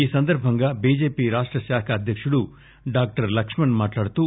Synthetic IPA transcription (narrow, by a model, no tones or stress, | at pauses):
iːsɐnd̪ɐɾbʱɐŋɡɐbiːd͡ʒeːpiɾaːʂʈɾɐʃaːkʰɐːd̪ʱjɐkʂɐɽu | ɖaːk̚ʈɐɾlɐkʂmɐnmaːʈlaːɽt̪u